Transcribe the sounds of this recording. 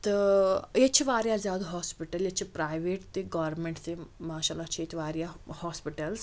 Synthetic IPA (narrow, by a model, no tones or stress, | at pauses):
t̪əjet͡ɕʰiʋaɾjad͡zad̪ɦɔspiʈɐljet͡ɕʰipɾajʋeʈt̪eɡɔʋɾmeɳʈt̪emaːɕalat͡ɕʰiet̪iʋaɾjahɔspiʈəls